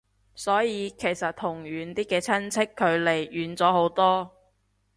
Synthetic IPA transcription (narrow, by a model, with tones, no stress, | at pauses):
sɔː˨˥jiː˨˧kʰe˨˩jsɐ˨t̚t̪ʰːʊ˨˩ŋɥyː˨˧nt̪iː˥kɛː˧t͡sʰɐ˥nt͡sʰɪ˥kʰːɵ˨˧ɥle˨˩jʔyː˨˧nt͡sɔː˨˥ɦo˨˥wt̪ɔː˥